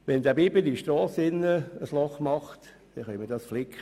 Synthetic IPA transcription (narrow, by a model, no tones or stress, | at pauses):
ʋɛnd̪æːbiːbɪdiʃtɾɑːsɪnːəəslɔχmɑχt̪ | d̥̪ɛχœʏmədɑsflɪkχə